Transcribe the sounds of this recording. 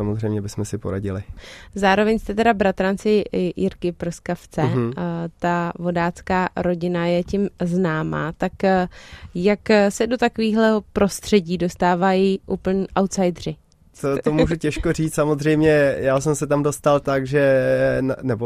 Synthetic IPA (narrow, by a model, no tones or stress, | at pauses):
amozrɛjmɲɛbɪsmɛsɪpoɾa̰ɟɪlɪzaːɾo̞vɛɲst̪ɛt̪ɛdabɾat̪ɾant͡sɪjɪɾkɪpɾoskaft͡sɛt̪avo̞daːt͡skaːɾo̞ɟɪnajɛcɪmznaːma̰ːt̪ak | jaksɛdo̞t̪akoviːɣlɛɦopɾo̞st̪r̝̥ɛɟiːdo̞st̪aːvajiʔuːpl̩ɲʔawt̪sajdr̝ɪ | t̪ot̪omuʒucɛʃkor̝iːt͡s̪samozrɛjmɲɛjaːsɛmsɛt̪amdo̞st̪alt̪aɡʒɛ | nɛbo